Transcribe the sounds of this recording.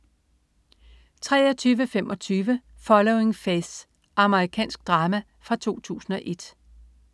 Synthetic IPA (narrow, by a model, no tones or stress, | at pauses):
t͡sʰʁɛːɐt͡sʰyːʋəfemʔɒ̽t͡sʰyːʋəfɒ̽lɔʊe̝ŋfes | ʔɑ̈məʁikʰɛ̰ːnsɡ̥̚d̥ʁɑ̈ːmæ | fʁɑ̈t͡sʰo̝̰ːt͡sʰṵːsn̩ɒ̽ʔe̝d̥